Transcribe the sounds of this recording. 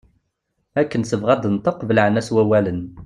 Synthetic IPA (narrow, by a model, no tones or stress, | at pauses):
ækːənsəvʁæd̪ənt̪ˤəqvələʕnæswæwælən